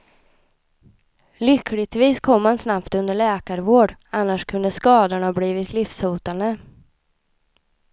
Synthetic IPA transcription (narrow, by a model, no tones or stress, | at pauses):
lʏkʰːlɪt̪viːskʰɔmːansnapt̪ɵnd̪əɭɛːkaɾvoːɖanːaʂkʰɵnd̪əskɑːd̪ʊɳhɑːbliːvɪt̪ʰlɪfsuːt̪and̪ə